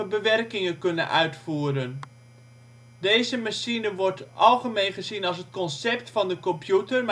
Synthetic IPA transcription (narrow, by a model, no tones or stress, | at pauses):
əbəʋɛrkɪŋəkɵnə̰nʔœ̰ɥtfuːɾən | dejzəmaʃinəʋɔrtʔɑlˠχəmejnχəzinɑlˠsɦətkɔnsɛp̚tfɑndəkɔmpjutərm